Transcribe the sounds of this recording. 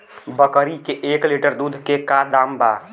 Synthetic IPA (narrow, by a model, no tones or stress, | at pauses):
bəkəɾikeʔeːkliʈəɾd̪uːd̪ʱkekad̪aːmba